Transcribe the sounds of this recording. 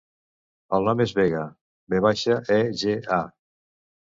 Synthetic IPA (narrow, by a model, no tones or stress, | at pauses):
əlˠnɔmezβeɣə | beβ̞aʃəʔɛʒea